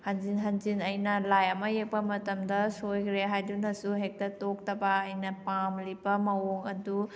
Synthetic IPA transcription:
hɐnzinɦɐnzinɐjnɐlajɐmɐjek̚pɐmɐtɐmdɐsojkʰɾeɦajdunɐsuɦek̚tɐtok̚tɐbɐːjnɐpamlibɐmɐwoŋɐdu

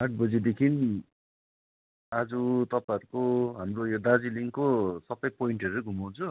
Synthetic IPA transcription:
aʈ̚ʰbʌd͡zid̪ekʰin | ad͡zut̪ʌpãʌɾukoɦamrojod̪ad͡ziliŋkosʌpʌjpoiɳʈʌɾuɡʱumaw̃t͡sʰu

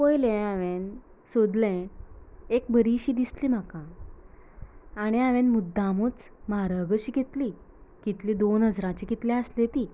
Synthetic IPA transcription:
pojlɛ̃aʋẽn | sod̪lɛ̃ | ek̚bəɾiɕiːd̪islim̤akã | aɽ̃iaʋẽnmud̪ːamut͡smaɦaɾəɡəɕiːɡet̪li | ɡ̥it̪lĩd̪onɦəd͡zɾãt͡ɕikit̪lɛ̃əslet̪iː

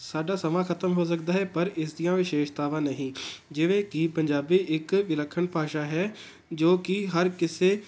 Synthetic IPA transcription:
saːɖaːsəmaːkʰət̪əmɦoːs̬əkd̪aːɦɛːpəɾɪsd̪ijãːʋɪʃeːʃt̪aːʋãːnəɦĩːd͡ʒɪʋẽːkɪpəɲd͡ʒaːbiːʔɪkʋɪləkʰːəɳpaːʃaːɦɛː | d͡ʒoːkɪɦəɾkɪseː

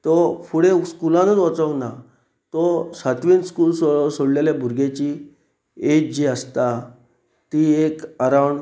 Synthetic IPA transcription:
t̪ɔfuɽeskulãnənʋɔt͡sɔkna | t̪ɔsat̪ʋiːnskuːlsɔsoɽleljabʱuɾɡet͡ɕi | ed͡ʑiəst̪a | t̪iekəɾawɳ

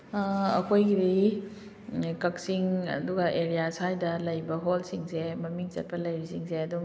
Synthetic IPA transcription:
ɐ̰kʰojɡidi | kɐk̚siŋɐ̰duɡɐʔeɾijasajdɐlɐjbɐɦolsiŋsemɐmiŋt͡ʃɐ̰t̚pɐlɐjɾisiŋseɐduŋ

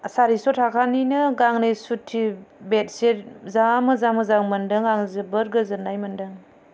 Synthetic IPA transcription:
saɾisɔtʰakʰaninɯɡaŋnɯjsutʰːibet̚seɾzamɯzamɯzaŋmɐndɯŋaŋzɯbəɾɡɯzɯnajmɐndɯŋ

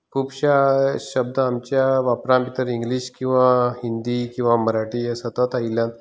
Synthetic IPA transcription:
kʰubɕaɕəb̚d̪əamt͡ɕjaʋapɾãpit̪əɾĩŋɡliɕkĩw̃ʋãhind̪ikĩw̃ʋaməɾaʈiesət̪ət̪ailjãn

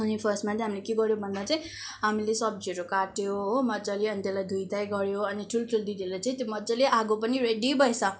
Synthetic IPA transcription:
ʌnipʰʌsʈmat͡siɦamilekeɡʌɾjobʱʌnd̪at͡saĩ | ɦamilesʌb̚d͡ziɾokaʈjoɦmʌd͡zʌliʌnit̪elajd̪ʱujd̪ajɡʌɾjoʌniʈʰulʈʰuld̪id̪ʱelat͡saĩt̪jomʌd͡zʌleʔaɡop̬ʌniɾeɖibʱʌjsʰʌ

